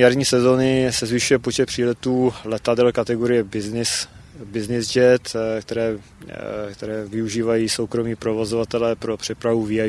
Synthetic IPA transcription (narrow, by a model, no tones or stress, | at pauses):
aɾɲiːsɛzo̞nɪsɛzvɪʃujɛpo̞t͡ʃɛt̪pr̥iːlɛt̪uːlɛt̪adɛlkat̪ɛɡo̞ɾɪjɛbɪnɪsbɪznɪzd͡ʒɛt̪kt̪ɛɾɛː | kt̪ɛɾɛːvɪuʒiːvajiːso̞wkɾo̞miːpɾo̞vo̞zovat̪ɛlɛpɾo̞pr̥ɛpɾavuvia